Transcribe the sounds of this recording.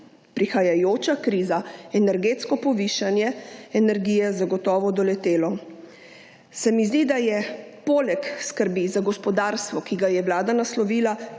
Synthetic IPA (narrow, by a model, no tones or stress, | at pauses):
pɾixajajoːt͡ʃakɾiːzaɛnɛɾɡeːt̪skɔpɔʋiːʃanjɛɛnɛɾɡiːjɛzaɡɔt̪ɔːʋɔd̪ɔlɛt̪eːlɔ | sɛmizd̪id̪ajɛ | poːlɛkskəɾbizaɡɔspɔd̪aːɾst̪ʋɔkiɡajɛwlaːd̪anaslɔʋiːla